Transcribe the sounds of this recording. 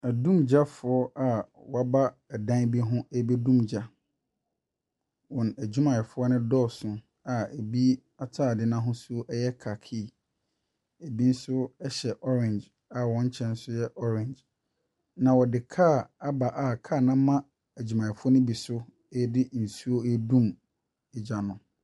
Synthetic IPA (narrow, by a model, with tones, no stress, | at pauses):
æ˨dũ˦md͡ʑa˦fʊ˨ɔ˦a˨wɔ˨a˦ba˦˨dã˦nbi˦ɦʊ̃˦e˦be˦dũ˦md͡ʑa˦ | wɔ̃˨næ˨d͡ʑᶣu˦mã˨ɛ˨fʊ˦ɔ˦nʊ̃˦dɔː˦˨sʊ̃˨ | a˨e˨bi˦ | a˨tʰaː˦˨dɪ˦nã˦ɦʊ̃˦su˦o˦ʔɛ˦jɛ˦kʰa˨kʰɪ˦˨ | e˨bi˦n̩˦sʊ˦ɛ˦ɕɛ˨ʔɔ˦ɾɛ̃˨nd͡ʒ | a˨wɔ̃˨˦ɲ̩˦t͡ɕʰɛ̃˦n̩˦sʊ˦jɛ˦ʔɔ˦ɾɛ̃˨ɲd͡ʒ | nã˨wɔ˨dɪ˨kʰa˦˨a˦ba˨ʔa˨kʰaː˦˨nã˦mã˦ | æ˨d͡ʑu˨mã˨ɛ˨fʊ˦ɔ˦nʊ̃˦bi˨sʊ˦ | e˦dɪ˦n̩˨su˦o˦e˦dũ˦m | ɪ˨d͡ʑa˨nʊ̃˨